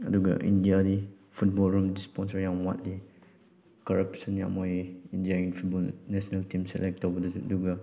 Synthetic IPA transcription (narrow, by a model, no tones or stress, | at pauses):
duɡa̰ʔḭ̃ndiadi | fut̚bɔlɹũmdispɔ̃nsəjãwat̚li | kɔɹapsə̃njã̰mɔjiĩndiaĩnfut̚bɔlnɛsənəltĩmsɛ̰lɛk̚tɔvədəduɡa